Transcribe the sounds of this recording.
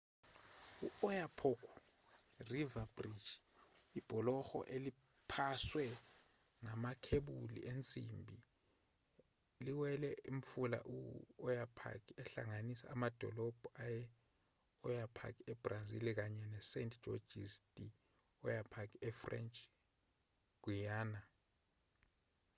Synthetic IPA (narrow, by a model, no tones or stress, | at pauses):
uɔjapʰokʰu | rivab̥rid̥d͡ʒ̥ | ib̥ʱɔlɔxɔ̰ʔeli | pʰaswɛ | ŋamakʰeɓulḭent͡sʼimbʱi | liwɛlɛim̩fula̰ʔuɔjapʰa̰kʰiɛɬa̰ŋanisaːmad̥ʱɔ̰lɔb̥ʱɔajɛ | ɔjapʰa̰k̬ʰiɛb̥razḭlik̬aɲɛnɛsɛntʰʼʒ̥ʱɔ̰d͡ʒisd̥ʼi | ɔjapʰakiɛfrɛ̰nt͡ʃʼ | ɡ̥ʱwijaːna